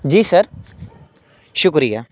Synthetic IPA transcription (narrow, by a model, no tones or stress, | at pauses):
d͡ʒiːsəɾ | ʃʊkɾijaː